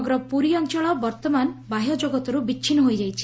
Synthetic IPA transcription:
ɡɔɾɔpuɾiɔnt͡ʃɔɭɔbɔɾt̪ɔmanbaɦjɔd͡ʒoɡɔt̪ɔɾubit͡ʃʰinɔɦojd͡ʒajt͡ʃʰi̥

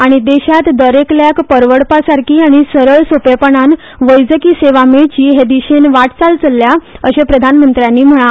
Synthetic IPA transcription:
aɽ̃id̪eɕat̪d̪əɾekljakpəɾʋəɽpasaɾkʰiːaɽ̃isəɾəɭsopepəɳan | ʋəjd͡zəkiːseʋameɭt͡ɕiːɦed̪iɕenʋaʈʰt͡salt͡səlːjaəɕepɾəd̪ʱanmənt̪ɾjanːiːm̤əɭ̃a

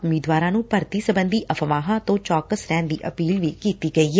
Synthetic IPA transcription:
ʊmiːd̪ʋaːɾãːnũːpəɾt̪iːsəbənd̪iːʔəfʰəʋaːɦãːt̪õːt͡ʃɔːkəsɾɛːnd̪iːʔəpiːlʋiːkiːt̪iːɡəiːɛː

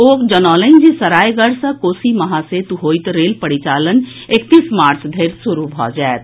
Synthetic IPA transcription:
oːkd͡ʒənɔːlənd͡ʒisəɾaːjɡəɽsə̃koːsimɐɦaset̪uɦoːjt̪ɾeːlpəɽit͡ʃaːlən | ekt̪iːsmaːɾt͡ʃʰd̪ʱeːɾsuɾubʱɔ̰ːd͡ʒɛet̪

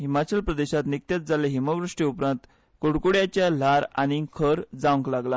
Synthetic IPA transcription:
ɦimat͡ɕəlpɾəd̪eɕat̪nik̚t̪jat̪̚d͡zaleɦimaʋɾəʂʈiupɾãnt̪ | koɽkuɽjat͡ɕjal̤aɾa̰ñikʰəɾd͡zaʋŋklaɡla

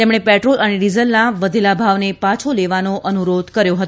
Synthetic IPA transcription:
t̪emɽ̃epɛʈɾolʔəneɖizəlnaʋəd̪ʱelabʱaʋnepat͡ʃʰoleʋanoʔənuɾod̪ʱkəɾjoɦət̪õ

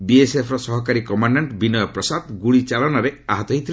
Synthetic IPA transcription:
biesepʰɾɔsɔɦɔkaɾikɔmaɳɖaɳʈbinɔjɔpɾɔsad̪ɡuɭit͡ʃalɔnaɾeaɦɔt̪ɔɦejt̪ʰil

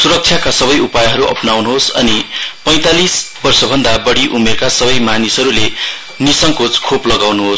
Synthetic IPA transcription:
suɾʌk̚t͡ʃʰjakasʌβʌjupajɦʌɾuʔʌ̰pnawnuɦosʌ̰nipʌj̃t̪alisbʌrsʌbʱʌnd̪abʌɽiʔumekasʌbʌjmanisɦʌɾule | nisʌŋkot͡skʰoplʌɡawnuɦos

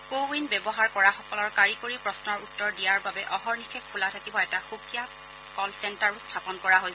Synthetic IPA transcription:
kowinbɛbɔɦaɹkɔɹaxɔkɔlɔɹkaɹikoɹipɹɔsnɔɹutːɔɹdijaɹbabɛʔɔɦɔɹnixʰɛkʰːulatʰakibɔɛtaxukja | kɔlsɛntaɹustʰapɔnkɔɹaɦojs

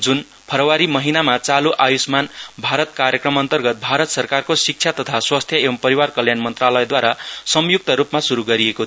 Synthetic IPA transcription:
d͡zun | pʰʌɾʌwaɾimʌɦinamat͡saluʔajusmanbʱaɾʌt̪kaɾjʌkrʌmʌnt̪ʌrɡʌt̪̚bʱaɾʌt̪sʌrkarkosik̚t͡sʰjat̪ʌt̪ʰaswast̪ʰjʌebʌmpʌɾiwarkʌljanmʌnt̪ralʌjed̪waɾasʌmjuk̚t̪ʌɾupmasuɾuɡʌɾieko

